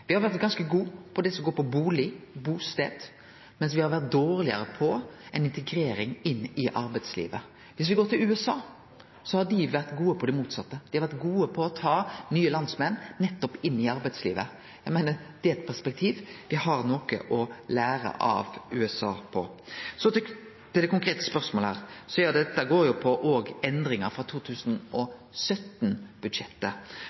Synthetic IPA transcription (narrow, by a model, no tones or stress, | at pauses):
ʋɪhɑɾʋæɾt̪ɡɑnskəɡuːpʰɔd̪ɛsɔɡoːɾpʰɔbuːlɪbuːst̪ḛːd̪ | mɛnsʋɪhɑɾʋæʁt̪̚d̪oːʁlɪə̰ɾəpʰɔɛnɪnt̪ɛɡɾeːɾɪŋɪnːɪʔɑɾbɛɪd̪slḭːʋə | ʋɪsʋɪɡoːɾt̪ɪlʉːɛsɑː | sɔhɑd̪ɪʋæʁt̪ɡuːəpʰɔd̪ɪmuːt̪sɑt̪ːəd̪̥ɪhɑɾʋæɾt̪ɡuːəpʰɔːt̪ʰɑːnyːəlɑnd̪smɛnːɛt̪ːɔpɪnːɪɑɾbæɪd̪slḭːʋə | jæɪmæɪnəɾd̪̥ɪɛt̪pʰæspɛk̚t̪ʰiːʋʋɪhɑɾnɔkə̰ʔɔlæːɾə̰ʔɑ̰ʋʉ̰ːɛsɑ̰ːpʰɔsɔt̪ | t̪ɪld̪ɛkʊŋkʰɾeːt̪ə̥spœɾsmoləhæ̰ːʁsɔjɑːd̪ɛt̪ːæɡoːɾjʊpʰɔʔoːɡɛnd̪ɾɪŋəɾfʁɑt̪ʰuːt̪ʰʉːsnɔ | sœt̪nb̥ʉd̪ʂɛt̪ːə